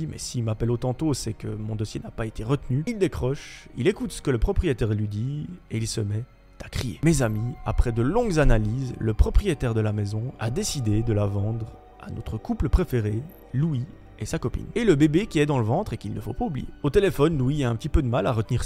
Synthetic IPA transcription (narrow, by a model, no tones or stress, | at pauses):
mɛ̰simapɛlot̪ɑ̃t̪osɛkəmɔ̃d̪ɔsjenapaet̪ʰeʁət̪nyild̪ekχɔʃḭlekut̪sə̥kələpχɔpχijet̪ɛʁlɥid̪ieilsəmɛ | t̪ḁkχijḛmezamia̰pχɛd̪əlɔ̃ɡzanalizləpχɔpχijet̪ɛʁd̪əlamɛzɔ̃a̰d̪esid̪ed̪əlavɑ̃d̪ʁ | a̰nɔ̰t̪χəkupləpχefeʁe | lui | esakɔpḭneləbebekʲiɛd̪ɑ̃ləvɑ̃t̪χekilnəfo̰paublḭjḛot̪elefɔnlwiaɛ̃pət̪ipød̪əmalaʁət̪niʁ